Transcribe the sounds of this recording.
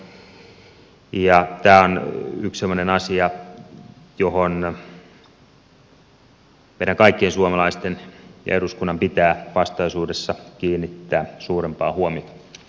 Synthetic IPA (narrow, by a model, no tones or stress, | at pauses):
jɑt̪æːonykssemːˑonenɑsiɑ | johon | meˑiɾæŋkɑikːiensuomɑlɑist̪enjɑ̰eruskunːɑmpit̪æːʋɑst̪ɑisuːdesːɑkiːnːit̪ːæːsuːrempɑːhuomit̪ɑ̥